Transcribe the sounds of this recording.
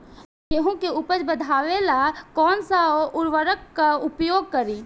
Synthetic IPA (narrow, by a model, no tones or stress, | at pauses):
eɦõkeʊpəd͡ʒbəd̪ʱaːʋelakɔːnsaoʔʊɾʋəɾəkːaʊpjoːɡ̚kəɾiː